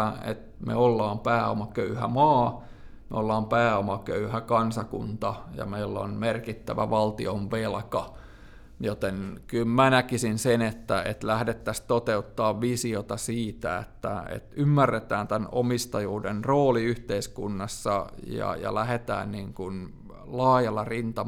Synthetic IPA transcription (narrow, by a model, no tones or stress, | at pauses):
ḛt̪mḛolːɑːmpæːo̰mɑkøyhæmɑː | mḛolːɑːmpæːomɑkøyhækɑnsɑkṵnt̪ɑjɑ̰meilːo̰nmerkit̪ːæʋæ̰ʋɑlt̪ioʋʋelkɑ | jot̪enkylmænækisinsenet̪ːæḛt̪læhdet̪ːæst̪ot̪eut̪ːɑːʋʋisiot̪ɑsiːt̪æḛt̪ːæḛt̪ymːærːet̪æːnt̪ænomist̪ɑjuːdenroːliyht̪eiskunːɑsːɑjɑ̰jɑ̰læhet̪æ̰ːnniːŋkun | lɑːjɑlːɑrint̪ɑ